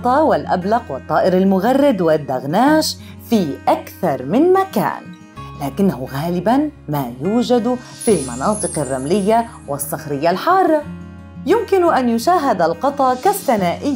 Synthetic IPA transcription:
t̪ˤɑːwɪlʔa̰blɑqwɑt̪ˤːɑːʔɪɾalmʊɣarˤːɪd̪wɪd̪ːaɣnaːʃ | fiːʔakθɑɾˤmɪnmaka̰ːn | laːkɪnːahʊɣaːlɪbanmaːjuːd͡ʒad̪ | filmɑ̰nɑːt̪ˤɨqarˤːamlɪjːa | wɪsˤːɑxɾɪjːalħɑːrˤːɑ | jʊmkɪnʔanjʊʃaːɦɪd̪alqɑt̪ˤɑkaθːanaːʔɪjː

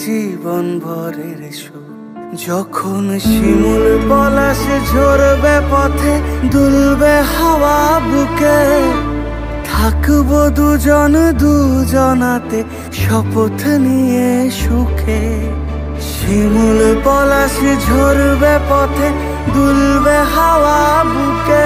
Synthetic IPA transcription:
d͡ʒibɔnbʱɔɾeɾeʃu | d͡ʒɔkʰonʃimulpɔlasid͡ʒʱoɾbepɔt̪ʰed̪ulbehawabuke | t̪ʰakbod̪ud͡ʒɔnd̪ud͡ʒɔnat̪e | ʃɔpot̪ʰnieʃukʰe | ʃimulpɔlasd͡ʒʱoɾbepɔt̪ʰe | d̪ulbeɦaʋabuke

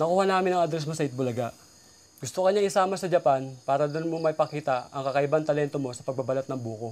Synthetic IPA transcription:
nɐkuːhanaːmɪnɐŋɐd̪ɾɛs̬mosɐɪt̪̚bʊlɐɡaʔ | ɡʊst̪okɐɲaŋɪsaːmɐsɐd͡ʒɐpanpaːɾɐd̪onmomɐjpɐkiːt̪ɐɐŋkɐkɐʔɪbant̪ɐlɛnt̪o̞mo̞sɐpɐɡ̚bɐbɐlɐt̪nɐŋbuːko̞

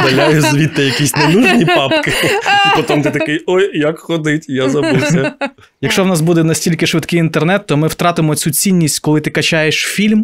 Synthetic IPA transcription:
d̪ɐlʲajʊzʋʲit̪ːɪjɐkʲisʲnenʲuʒnʲipɑpkɪiɔt̪ɔmt̪ɪt̪ɐkɪjɔjjɐkxɔd̪ɪtʲjazɐusɐ | jɐkʃt͡ʃɔwnɑs̬bud̪ɛnɐsʲtʲilʲkɪʃʋɪd̪kɪjint̪ernɛt̪ːɔmɪwt̪ɾɑt̪ɪmɔt͡sʲut͡sʲinʲːisʲtʲkɔlˠɪt̪ɪkɐt͡ʃajeʃfʲilʲm

